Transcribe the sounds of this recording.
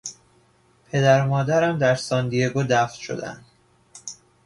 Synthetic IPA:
pʰe̞d̪æɾmɒːd̪æɾæmd̪æɾsɒːnd̪ijeɡod̪æft̪ʃo̞̰d̪æ̰nd̪̥

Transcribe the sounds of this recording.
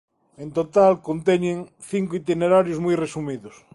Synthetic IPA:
ẽnt̪ot̪alkont̪eɲẽŋ | θiŋkoʊit̪ineɾaɾjozmujresumiðʊs

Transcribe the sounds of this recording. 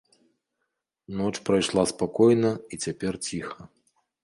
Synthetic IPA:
nɔt͡ʂpɾɐjʂlˠaspakɔjnɐit͡sʲapʲɛrt͡sʲixɐ

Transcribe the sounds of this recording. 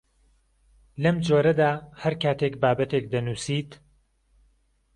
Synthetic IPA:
lɐmd͡ʒoːɾɐd̪aːhɐɾkaːt̪ekbaːbɐt̪eːkd̪ɐnuːsiːt̪

